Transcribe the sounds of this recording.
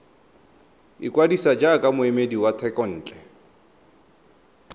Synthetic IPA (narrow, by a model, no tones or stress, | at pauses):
ikʼwadisad͡ʒakʼamʊɛmediwatʰɛkʼɔn̩ːt͡ɬʼɛ